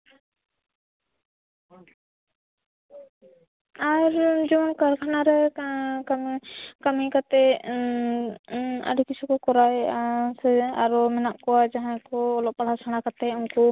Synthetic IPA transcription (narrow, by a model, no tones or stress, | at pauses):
aɾd͡ʒɔmɔnkaɾkʰanaɾɛ | amkamikat̪ɛ | a̰ɾikisʰukɔkɔɾajsɛaɾɔmɛnaʔkɔwad͡ʒaɦãkɔːlɔʔpaɽ̤asaɽ̃akat̪ɛunkɔ